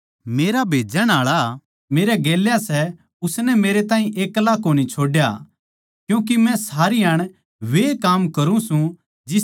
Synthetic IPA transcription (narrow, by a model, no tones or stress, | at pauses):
meːɾabʱeːd͡ʒanaːɭa | meːɾɛɡeːljasɛ | ʊsnɛmeːɾet̪ãːɦĩʔeːklakoːnit͡ʃʰoːɖja | kjũːk̬imɛ̃saːɾijaːɽ̃ | ʋeːkaːmkɐɾũsũ | d͡ʒɪ